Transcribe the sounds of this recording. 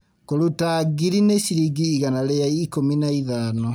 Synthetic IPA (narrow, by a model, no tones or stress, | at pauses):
koɾutaɡiɾinesiɾiɡiːɣanaɾeaikominaiðanɔ